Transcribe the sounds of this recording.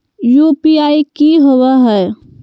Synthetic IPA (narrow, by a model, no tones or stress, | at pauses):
jupiaːikiɦoweɦɛː